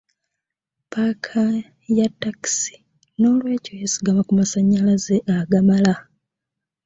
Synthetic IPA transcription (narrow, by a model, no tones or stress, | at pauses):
paːkʰa | jatːaki̥si̥ | no̞ːlwe̞ːco̞jesi̥ɡamakumasaɲːalazeʔaɡamala